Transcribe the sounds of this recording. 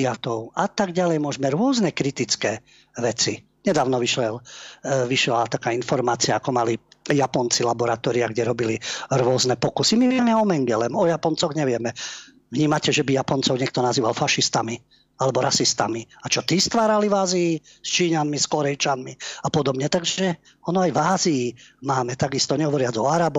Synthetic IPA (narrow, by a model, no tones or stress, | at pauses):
at̪ɔʊat̪aɡɟalɛjmʊɔʒmɛɾʊɔznɛkɾit̪it͡skɛː | ʋɛt͡si | ɲɛd̪aːʊnɔʋiʃlɛlʋiʃɛlat̪akaːinfɔɾmaːt͡siaːkɔmalijapɔnt͡silabɔɾat̪ɔːɾiaɡɟɛɾɔbiliɾʊɔznɛpɔkusimiʋɪɛmɛɔmɛŋɡɛlɛmɔjapɔnt͡sɔɣɲɛʋɪɛmɛ | ʋɲiːmacɛʒɛbijapɔnt͡sɔʊɲɛkt̪ɔnaziːʋalfaʃist̪ami | alɛbɔɾasist̪amiat͡ʃɔt̪ist̪ʋaːɾalivaːziː | st͡ʃiːɲanmiskɔɾɛjt͡ʃanmiapɔd̪ɔbɲɛt̪aɡʒɛ | ɔnɔajvaːziːmaːmɛt̪aɡist̪ɔɲɛɦɔʋɔɾɪad͡zɔaɾaːbɔ